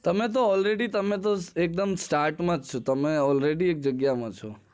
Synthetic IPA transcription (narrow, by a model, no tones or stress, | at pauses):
t̪əmẽt̪̬oɔlɾeɖit̪əmẽt̪̬oek̚d̪əmsʈaɾʈmãd͡ʒt͡ʃʰot̪əmẽɔlɾeɖiek̚d͡ʒəɡjamãt͡ʃʰo